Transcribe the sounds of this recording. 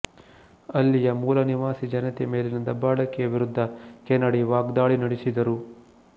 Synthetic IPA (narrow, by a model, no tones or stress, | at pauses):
ɐlːijɐmuːlɐniʋaːsid͡ʒɐnɐt̪emeːlenind̪ɐbaːɽɐkːijɐʋiɾud̪ʱːɐkɛnːɐɽiʋaːɡd̪aːɭinɐɽisid̪ɐɾu